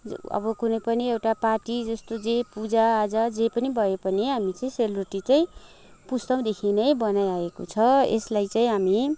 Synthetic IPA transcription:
ʌ̰bʌkunʌjpʌniewʈaparʈid͡zʌst̪od͡zepud͡zaːd͡zʌd͡zepʌnibʱʌepʌniɦamit͡sʌĩseluʈit͡saĩ | pust̪ʌw̃d̪ekʰinʌjbʌnajaeko̰t͡sʰʌḛslajt͡saĩɦami

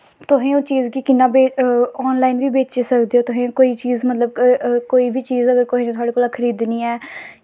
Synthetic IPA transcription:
t̪ʊɦẽːõːt͡ʃiːzkiːkɪnːãːbeːɔːnlaːinʋiːbeːt͡ʃeːsəkd̪eːoːt̪ʊɦẽːkoːiːt͡ʃiːzmət̪ləb̚koːiːbiːt͡ʃiːzəɡəɾkoːɦiːnẽːt̪ʊaːɽeːkoːlaːkʰəɾiːd̪niːɛː

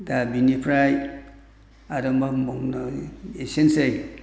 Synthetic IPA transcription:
dabinipʰɾaj | aɾɐmbamomnaesensej

